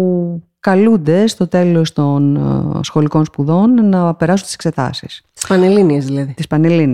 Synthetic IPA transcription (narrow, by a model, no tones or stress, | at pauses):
ukɐlund̪e̞st̪o̞t̪e̞lo̞st̪o̞nsxo̞liko̞nspuðo̞nːɐpe̞ɾɐsunt̪isekse̞t̪ɐ̰sḭsi̥spɐneliniezðilɐðit̪ispɐne̞lin